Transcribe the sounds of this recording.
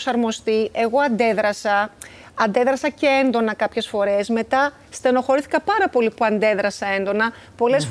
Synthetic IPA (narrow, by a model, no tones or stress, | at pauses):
sɐɾmo̞st̪iʔe̞ɣo̞ɐnd̪e̞ðɾɐsɐː | nd̪e̞ðɾɐsɐceend̪o̞nɐkɐpçe̞sfo̞ɾe̞zme̞t̪ɐ | st̪e̞no̞xo̞ɾiθi̥kɐpɐɾɐpo̞lipuɐnd̪e̞ðɾɐsɐe̞nd̪o̞nɐ | po̞le̞sf